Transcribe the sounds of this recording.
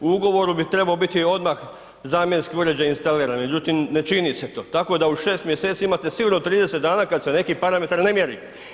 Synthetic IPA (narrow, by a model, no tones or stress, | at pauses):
uuɡo̞ʋo̞ɾubit̪ɾe̞baobit̪io̞d̪max | zaːmje̞nskiuɾe̞d͡ʑajinst̪aliːɾanme̞d͡ʑut̪imne̞t͡ʃiniset̪o̞ːt̪ako̞d̪auʃe̞ːst̪mjeset̪siaimat̪esiɡuɾnot̪ɾiːd̪esed̪d̪aːnakad̪sene̞kipaɾame̞t̪aɾne̞mjeɾḭ